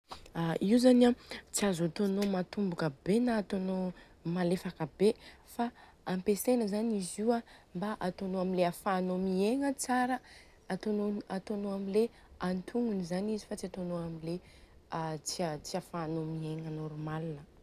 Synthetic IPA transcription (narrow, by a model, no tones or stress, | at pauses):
aiuzanat͡siazat̪onomat̪umbukəbenaːt̪ono | malefakəbe | faː | mpesenəzaniziwambaʔat̪onoamileafaːnomieŋət͡saɾə | at̪onoat̪onoamile | ant̪ʰuŋunizanizifat͡siat̪onoamile | at͡siat͡siafaːnomieŋənoɾmalnə